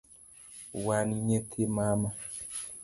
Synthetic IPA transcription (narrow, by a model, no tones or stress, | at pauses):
waniɲetʰemama